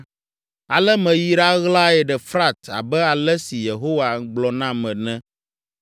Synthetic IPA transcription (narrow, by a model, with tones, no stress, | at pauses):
a˨lɛ˦mɛ̃˨ji˦ɖa˦ɣla˦ɛ˨ɖɛ˨fɾa˦t̪a̰˨bɛ˦a˨lɛ˦si˨je˨ɦo˦wa˨ɡ͡blɔ˨nã˦mɛ̃˨nɛ̃˦